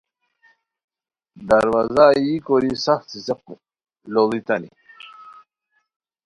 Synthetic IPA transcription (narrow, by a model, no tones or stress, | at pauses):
d̪aɾwazajikoɾisaxt̪iseq̚u | lolit̪anḭ